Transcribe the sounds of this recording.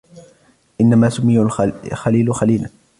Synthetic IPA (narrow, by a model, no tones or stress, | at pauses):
ʔɪnːamaːsʊmiːʊxaliːlʊxaliːla